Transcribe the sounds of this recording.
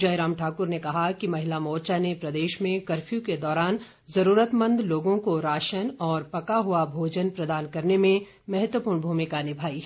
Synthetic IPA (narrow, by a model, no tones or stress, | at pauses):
d͡ʒɐjɾaːmʈʰaːkʊɾnekɐɦakimɐɦɪlamɔːɾt͡ʃanepɾɐd̪eːʃmẽkɐɾfjũked̪ɔːɾaːn | zɐɾuːɾət̪mə̃nd̪loːɡõkoɾaːʃənɔːɾpɐkaɦuabʱoːd͡ʒənpɾɐd̪aːnkɐɾnemẽ | mɐɦət̪wəpuːɾɳbʱuːmɪkanɪbʱaːi